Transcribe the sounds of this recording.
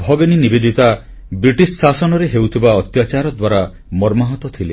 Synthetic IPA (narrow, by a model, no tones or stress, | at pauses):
bʱɔɡeninibed̪it̪a | bɾiʈissasɔnɔɾeɦewt̪ʰibaɔt̪jat͡ʃaɾɔd̪waɾa | mɔɾmaɦɔt̪ɔt̪ʰilḛ